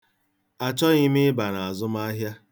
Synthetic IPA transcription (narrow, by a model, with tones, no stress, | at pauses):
a˨t͡ʃɔ˦ɣi˦mɪ˦ba˨na˨a˨zʊ˦m˦a˦ɦja˦